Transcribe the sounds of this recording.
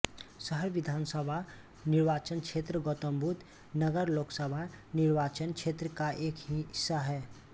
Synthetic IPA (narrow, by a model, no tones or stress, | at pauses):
səɦəɾʋid̪ʱaːnsəbʱa | nɪɾʋaːt͡ʃənkt͡ʃʰet̪ɾəɡot̪əmbʱut̪ | nəɡəɾloːksəbʱaniɾʋaːt͡ʃənkt͡ʃʰet̪ɾəkaʔeːkɦisaɦɛː